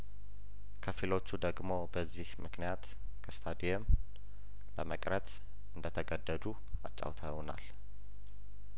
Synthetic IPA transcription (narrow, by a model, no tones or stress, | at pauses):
kʰəfilo̞t͡ʃːud̪əɡmo̞bəzːihmɨknijat̪ | kʰəst̪ʰad̪ijɛm | ləməkʼɾət̪ | ɨnd̪ət̪ʰəɡəd̪ːəd̪u | a̰t͡ʃʼːa̰wt̪ʰəwna̰l